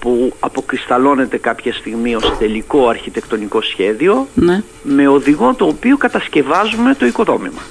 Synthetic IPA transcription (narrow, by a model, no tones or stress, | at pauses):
puɐpo̞kɾist̪ɐlo̞ne̞t̪e̞kɐpçɐst̪iɣmio̞st̪e̞liko̞ɐɾçit̪e̞kt̪o̞niko̞sçe̞ðio̞ne | me̞o̞ðiɣo̞t̪oːpiokɐt̪ɐsce̞vɐzume̞t̪o̞iko̞ðo̞mimɐ